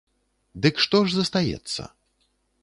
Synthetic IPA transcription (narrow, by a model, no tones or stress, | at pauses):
d̪ɨkʂt̪ɔʐzɐst̪ajɛ̰t̪sːɐ̰